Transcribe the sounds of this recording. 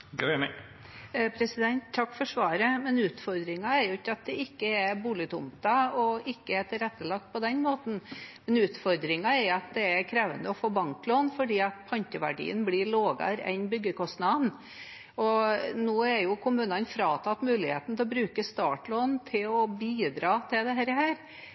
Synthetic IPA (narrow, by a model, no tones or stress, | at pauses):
ɡømɛ | pʰɾɛsɪd̪ɛnt̪ʰːɑkːfɔɾʂʋɑːɾəmɛnʉːt̪fɔɾd̪ɾɪŋɑɛɾjʊɪçːɑt̪̚d̪ɛɪkːəɛbuːlɪt̪ʰʊ̰mt̪ɑɔɪkːəɛt̪ɪlɾɛt̪ːəlɑk̚t̪̚pʰɔd̪ɛnmoːt̪n̩mɛnʉːt̪fɔɾd̪ɾɪŋɑɛɾjʊɑt̪̚d̪ɛɛɾkʰɾeːʋənd̪əɔfoːbɑŋkloːnfɔɖiːɑt̪̚pʰɑnkəʋæ̰ɖḭːə̰nblɪɭoːɡɑ̰ɾɛ̰nbʏɡːəkɔst̪nɑn | ɔnoːɛɾjʊkʰʊmʉːnɑnfɾɑːt̪ʰɑt̪mʉːlɪhḛːt̪n̩t̪ʰɛlɔbɾʉːkəst̪ɑːʈɭoːnt̪ʰɪlɔbiːd̪ɾɑːt̪ʰɪld̪ɛɦæːɾəhæːɾ